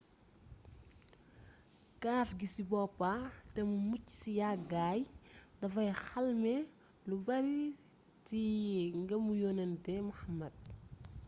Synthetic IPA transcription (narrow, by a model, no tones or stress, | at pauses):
kaːfɡisibɔpːatɛmumucːi̥sijaɡaːjdɐfɐjxɐlmɛ | lubɐɾi | tiŋɡɐmujoːnɐntɛmuxɐmːɐd̚